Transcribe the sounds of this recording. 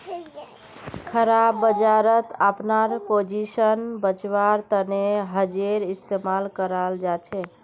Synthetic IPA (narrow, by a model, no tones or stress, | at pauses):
kʰəɾabːəd͡ʒaɾət̪əpnaɾpod͡ʒisənbət͡ʃʋaɾt̪əneɦəd͡ʒeɾist̪emalkəɾəld͡ʒat͡ʃʰɛ